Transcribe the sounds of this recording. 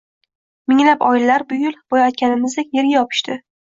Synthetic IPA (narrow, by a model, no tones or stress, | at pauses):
mɪŋlapɒjɪlalaɾbʊjʊlˠb̥ɒjɒt̪̚kʲanɪmɪzd̪ekʲje̞ɾɡʲajɒpʰɪ̥ʃt̪ɪ